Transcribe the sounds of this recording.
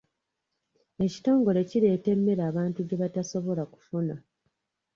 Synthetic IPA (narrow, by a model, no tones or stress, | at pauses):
e̞ci̥to̞ːŋɡo̞le̞ciɾe̞ːte̞mːe̞ɾaːβaːntuɟe̞βataso̞βo̞laku̥funa